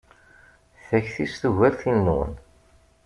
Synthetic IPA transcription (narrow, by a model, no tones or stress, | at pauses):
θæçθisθuʝæɾθinːṵn